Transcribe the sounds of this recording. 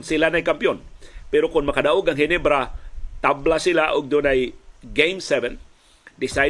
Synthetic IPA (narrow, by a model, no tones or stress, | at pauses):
nsilanajkampionpɛɾokʊŋmakadaʔʊɡaŋɦinibaɾat̪ablasilaʔʊɡ̚d̪ʊnajɡejmsɛvɛn | dɪsaj